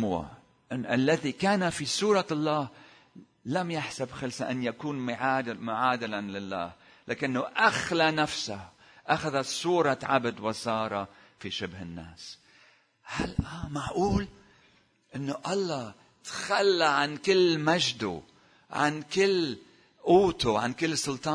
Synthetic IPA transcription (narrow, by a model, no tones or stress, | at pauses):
wa̰ | ʔʔalːaðikaːnafisˤuːɾˤɑlˤːɑːh | lamjaħsabxalsaʔanːjakuːnːmʊʕaːd̪ɪlanlɪlːa̰ːh | laʔɪnːoʔaxlanafsah | ʔaxaðasˤuːɾˤɑʕa̰bd̪wɑsˤɑːɾˤɑ | fiʃɪbhɪnːa̰ːs | halʔaːmaʕʔuːl | ʔɪnːoʔɑlˤːɑ | t̪xalːaʕankɪlːmaʒd̪ṵ | ʕa̰nkɪlː | ʔuːt̪uʕankɪlːsʊlt̪ˤɑː